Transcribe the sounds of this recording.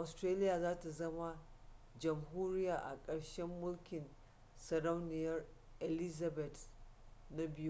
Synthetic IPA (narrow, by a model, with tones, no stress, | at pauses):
ʔa˨stɾeː˦lɪ˦jaː˨zaː˦ta˨zɐ˦ma˦ | d͡ʒɐ˨mɦuː˦ɾɪ˦jaː˨ʔa̰˨kʼɐ˨ɽʃɛ˦mːʊ˦lkʲɪ˨n | sɐ˨ɽa˦wnɪ˨jɐ˦r | ʔe˨lɪ˦za˨bɛ˨t | na˦bɪ˦ju˦